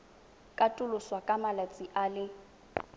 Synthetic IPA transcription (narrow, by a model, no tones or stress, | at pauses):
kʼatʼʊlʊswakʼamalat͡sʼiʔalɪ